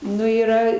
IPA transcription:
ˈnʊ iːˈrɐ

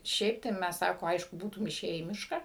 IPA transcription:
ˈʃʲɛɪp tɐɪ ˈmʲæs ˈsɑːkoː ˈɐɪʃkʊ ˈbuːtʊm ɪˈʃʲeːjæː iː ˈmʲɪʃkɑː

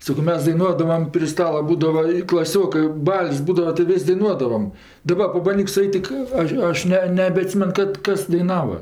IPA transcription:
ˈsɑːkoː ˈmʲɛs dɐɪˈnuɔdɐʋɐm pʲrʲɪ ˈstɑːlˠɐ ˈbuːdɐʋɐ ɪ klˠɐˈsʲoːkɜ ˈbɐlʲsʲ ˈbuːdɐʋɐ tɐɪ ˈʋʲɪsʲ dɐɪˈnuɔdɐʋɐm dɐˈbɐ pɐbɐnʲˈdʲiːk sʊˈɐɪtʲ tʲɪk ˈɐʃ ˈɐʃ nʲɛ nʲɛbʲɛɐˈtʲsʲiːmʲɛn ˈkɐt ˈkɐs dɐɪˈnɑːʋɐ

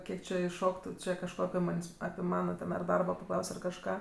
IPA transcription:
ˈkʲiɛk t͡ʃʲɪ ɪʃˈʃoːktʊ ˈt͡ʃʲɛ kɐʃˈkoː ɐpʲɪ ˈmɐnʲsʲ ɐpʲɪ ˈmɑːnɐ tʲɛn ɐr ˈdɐrboː pɐˈklˠɐʊsʲ ɐr kɐʃˈkɑː

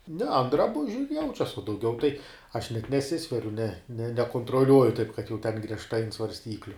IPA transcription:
nʲɛ ɐn drɐˈbʊʒʲʊ ɪr ˈjɛʊt͡ʃʲɛs uɔ dɐʊˈɡʲɛʊ tɐɪ ɐʃ nʲɛt nʲɛˈsʲɪsʲʋʲɛrʲʊ nʲɛ nʲɛ nʲɛkoːntroːˈlʲuɔjʊ tɐɪp kɐt jɛʊ tʲɛn ɡrʲiɛʃˈtɐɪ ɐnt sʋɐrʲsʲˈtʲiːklʲʊ

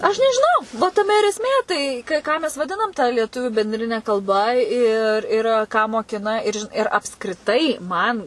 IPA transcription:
ˈɐʃ nʲɛʒʲɪˈnɐʊ ʋɐ tɐˈmʲɛ ɪr ɛsʲˈmʲeː ˈtɐɪ kɐ ˈkɑː mʲɛs ʋɐˈdʲɪnɐm tɐ lʲiɛˈtʊʋʲuː bʲɛnʲˈdʲrʲɪnʲɛ kɐlˠˈbɐ ɪr ɪr ˈkɑː moːˈkʲɪnɐ ɪr ʒʲɪn ɪr ɐpskrʲɪˈtɐɪ ˈmɐn

